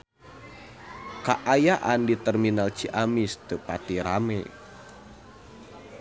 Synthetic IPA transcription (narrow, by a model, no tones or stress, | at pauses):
kaʔajaʔandit̪ɛrminalt͡ʃiʔamist̪əpat̪iɾamɛ̰